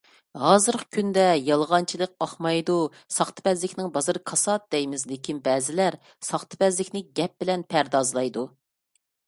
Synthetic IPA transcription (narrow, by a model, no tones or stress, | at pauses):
hɑːzɨɾqʰə̥kʲʰynd̪ɛjɑlˠʁɑnt͡ʃʰilˠəq̚ɑχmɑjd̪u | sɑχt̪ʰɨ̥bɛzlɪkʲnɪŋbɑzɨɾkʰɑsɑt̪̚d̪ɛjmɪzlɪkʲinbɛːzɪlæɾ | sɑχt̪ʰɨ̥bɛzlɪkʲnɪɡʲɛp̚bɪlɛnpʰæɾd̪ɑzlˠɑjd̪u